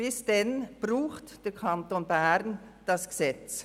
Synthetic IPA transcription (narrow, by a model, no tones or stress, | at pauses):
b̥ɪsd̥ɛnb̥ruːχtd̥ɛkʰantoːnbɛɾn | d̥ɑsɡ̥sɛt͡s